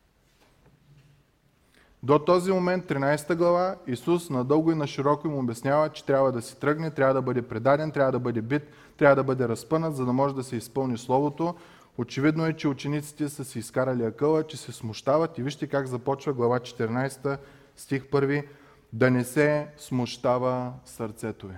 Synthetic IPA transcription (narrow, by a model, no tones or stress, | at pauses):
d̪ot̪ɔzimomɛnt̪ːɾinajsɛt̪əɡlˠɐvaisusnɐd̪ɤlˠɡʊinɐʃiɾɔkoimʊːbʲɛsnʲavət͡ʃɛ̥t̪ɾʲabvəd̪ɐsɛ̥t̪ɾɤɡnɛt̪ɾʲavəd̪ɐbɤd̪ɛpɾɛd̪ad̪ɛnt̪ɾʲavəd̪ɐbɤd̪ɛbit̪ː | ɾʲavəd̪ɐbɤd̪ɛɾɐspɤnət̪zɐd̪ɐmɔʒɛd̪ɐsɛispɤlˠnislˠɔvot̪o | ot͡ʃɛvid̪noɛt͡ʃɛut͡ʃɛnit̪si̥t̪ɛsəsɛiskaɾɐliɐkɤlˠət͡ʃɛsɛsmʊʃt̪avɐt̪iviʃt̪ɛkaɡzɐpɔt͡ʃvɐɡlˠɐvat͡ʃɛ̥t̪ɛɾnajst̪ə | st̪ʲixpɤɾvi | d̪ɐnɛsɛsmoʃt̪avəsɐɾt̪sɛt̪ovi